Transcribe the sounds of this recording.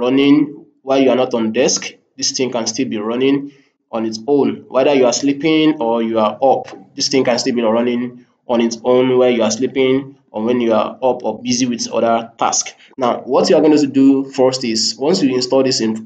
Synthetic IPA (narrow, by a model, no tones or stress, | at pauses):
ɹɔnɪ̃n | wajuanɔtɔ̃n̩dɛsk | disθĩŋkãnstilˠbiɹɔnɪ̃ŋ | ʔɔ̃nitõnwɛðəjuaslipɪ̃ŋɔjuaʔɔpdistĩŋkãnstilˠbiɹɔnɪ̃ŋ | ʔɔ̃nitõnwɛjuaslipɪ̃ŋʔɔ̰wɛ̃njua̰ɔpʰɔbiziwiðɔ̰ðətʰa̰sk | naʊwɔtjuaɡõnɪ̃tudufɔstiswɔ̃nsjuĩnstɔlˠdisĩn